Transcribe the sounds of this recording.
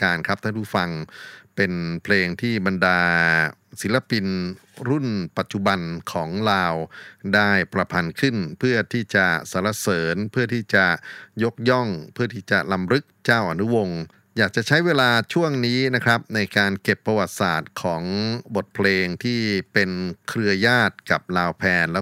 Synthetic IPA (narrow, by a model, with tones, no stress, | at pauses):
kaː˧nkʰa˦˥p̚t̪ʰa˥˩puː˥˩fa˧ŋpe˧npʰleː˧ŋt̪ʰiː˥˩ba˧ndaː˧ | si˩˦la˧pi˧n | ɾu˥˩npa˨˩t̪̚t͡ɕu˨ba˧nkʰɔː˩˦ŋlaː˧wdaː˥˩jpɾa˧pʰa˧nkʰɯ˥˩npʰɯ˥˩ɐt̪ʰiː˥˩t͡ɕa˨˩sa˨˩˦la˧sɤː˩˦npʰɯ˥˩ɐt̪ʰiː˥˩t͡ɕa˨˩jo˦˥k̚jɔ˥˩ŋpʰɯ˥˩ɐt̪ʰiː˥˩t͡ɕa˨˩ʔla˧mɾɯ˦˥k̚t͡ɕaː˥˩wʔa˧nu˦˥wo˧ŋ | jaː˨˩k̚t͡ɕa˨˩ʔt͡ɕʰa˦˥jweː˧laː˧t͡ɕʰu˥˩əŋniː˦˥na˦˥kʰɾa˦˥p̚na˧jkaː˧nke˨˩pːa˧wa˨˩t̪̚saː˨˩t̪̚kʰɔː˩˦ŋbo˨˩t̪̚pʰleː˧ŋt̪ʰiː˥˩pe˧nkʰɾɯ˧ɐjaː˥˩t̪̚ka˨˩p̚laː˧wpʰɛː˧nlɛː˦˥